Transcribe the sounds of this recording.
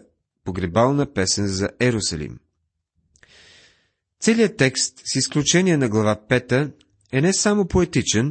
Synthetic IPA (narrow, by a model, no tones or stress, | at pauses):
poɡɾɛbalˠnəpɛsɛnzɐʔɛɾʊsɐlḭm | t̪sɛliət̪ːɛkst̪sisklʲut͡ʃɛniɛnɐɡlˠɐvapɛt̪ə | ɛnɛsamopoɛt̪it͡ʃɛn